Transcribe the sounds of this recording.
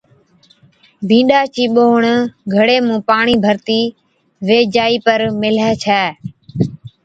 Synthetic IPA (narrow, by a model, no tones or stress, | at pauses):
bʱĩːɗaːt͡ʃiːɓoːɳɡʱəɽeːmũːpaːɳiːbʱəɾt̪iː | ʋeːd͡ʒaːiːpəɾmɪlɛːt͡ʃʰɛː